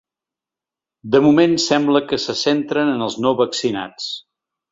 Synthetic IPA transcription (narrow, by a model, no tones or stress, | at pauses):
d̪əmumensɛmbləkəsəsent̪ɾənənəlˠznoβəksina̰t͡s